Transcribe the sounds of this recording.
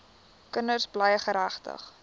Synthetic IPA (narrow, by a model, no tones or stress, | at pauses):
kənərsblɛjəχəɾæχtə̰χ